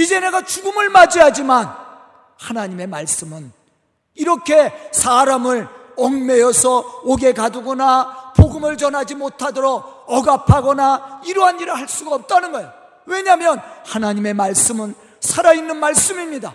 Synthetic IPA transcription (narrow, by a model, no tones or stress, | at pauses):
id͡ʑe̞ne̞ɡat͡ɕuɡumɯɭmad͡ʑiɦad͡ʑiman | hanaɲime̞maɭs͈ɯmɯn | iɾʌkʰe̞sʰaɾamɯɭ | ʌŋme̞jʌsʰʌoɡe̞kaduɡʌnapoɡɯmɯɭt͡ɕʌnɦad͡ʑimotʰadʌɾʌʌɡapʰaɡʌnaiɾuɦaniɾɯɭɦaɭs͈uɡaʌp̚t͈anɯnɡʌeo | we̞ɲamjʌnhanaɲime̞maɭs͈ɯmɯn | sʰaɾainːɯnmaɭs͈ɯmimɲida